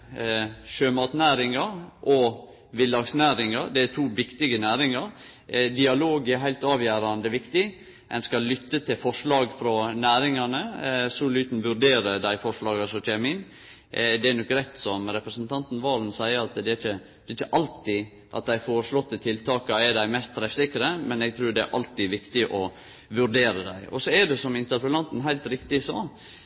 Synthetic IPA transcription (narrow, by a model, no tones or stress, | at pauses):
ʃøːmɑːt̪næːɾɪŋɑɾʔɔ | ʋɪlːɑɡsnæːɾɪŋɑɾd̪ɛæt̪ʰuːʋɪkt̪ɪɡənæːɾɪŋɑɾ | d̪ɪɑloːɡæɾɦæɪlt̪ɑːʋjæːɾɑnd̪əʋɪkt̪ɪ | ʔɛnskɑlʏt̪ːət̪ʰɪlfɔʂlɑːɡfɾɔnæːɾɪŋɑnəsuːlyːt̪n̩ʋʉɾɖ̪eːɾəd̪æɪfɔʂɭɑːɡɑsɔt͡ʃæɪmɪn | d̪ɛæɾnɔkːɾɛt̪ːsɔmɾɛpɾəsnt̪ʰɑnt̪n̩ʋɑːlnsæɪəɾɑt̪d̪ɛæçə | d̪̥ɛɪt͡ʃːəʔɑlt̪ɪ | ʔɑ̰t̪̚d̪æɪfoːɾəʂɭɔt̪ːət̪ʰɪlt̪ʰɑːkɑɛɖ̪æɪmɛst̪t̪ʰːɾɛfsɪkːɾəmɛnɛɡ̚t̪ʰɾʉːɖɛæ̰ɾʔɑ̰lt̪ɪʋɪkt̪ɪʔɔ | ʋʉɾɖeːɾəd̪æɪʔɔ̰sɔɛɖɛsɔmɪnt̪əɾpəlɑnt̪n̩ɦæɪlt̪ɾɪkt̪ɪsɑː